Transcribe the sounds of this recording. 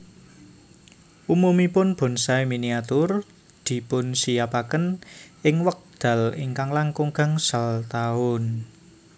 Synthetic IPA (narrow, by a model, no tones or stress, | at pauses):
ʔumumipʊnb̥ɔ̤nsaeminiat̪ʊr | d̪̥i̤pʊnsijapakənɪŋwək̚d̪̥a̤lɪŋkaŋlaŋkuŋɡa̤ŋsalt̪aʊn